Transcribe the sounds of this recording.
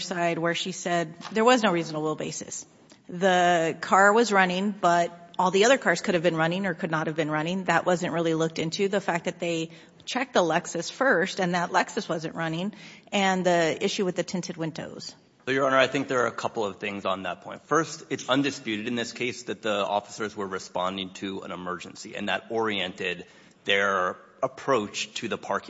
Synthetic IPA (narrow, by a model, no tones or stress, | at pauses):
saɪd̚wə˞ʃisɛd̪̚ðə˞wʌznoʊɹizə̃nl̩ˠwɪlˠbeɪsɨ̰s | ðəkʰɑɹwʌzɹʌnɪ̃ŋb̥ʌɾɔlˠðiʌðə˞kʰɑɹz̥kʰʊɾɨvbɨ̃nɹʌnɪ̃ŋə˞kʰɨdⁿnət̚hɨvbɨ̃nɹʌ̃ñɪ̃ŋðɨʔwʔʌzɨ̃nʔɹɪlˠilʊk̚tɪ̃ntʰʉðəfæk̚ðɨt̪̚ðeɪ | t͡ʃʰɛk̚ðəlɛksɨsfɜ˞stɨ̃nðəʔlɛksɨswʌzɨ̃nʔɹʌnɪ̃ŋɨ̃nðiɪʃʉwɨðɨtʰɪ̃ntʰɨd̚wɪ̃ndo̰ʊz̥ | soʊjə˞ɑ̃nə˞aɪθɪ̃ŋk̚ðə˞ɨkʰʌpl̩ˠʌv̥θɪ̃ŋzn̩ðə̰t̚pʰɔ̃ɪ̃ntfɜ˞stɨtsʌ̃ndɨspjʉɾɨɾɨ̃nðɪskʰeɪsðɨt̪̚ðiɔ̰fə̥sə˞zwə˞ɹɨspɑ̰̃ndɪ̃ŋtʰɨə̰̃nəmɜ˞d͡ʒɨ̃n̩siɨ̰̃nðɨ̰ɾɔɹiɛ̃ntɪd̪̚ | ðə˞ | əpʰɹ̥oʊt͡ʃtʰɨðəpʰɑɹk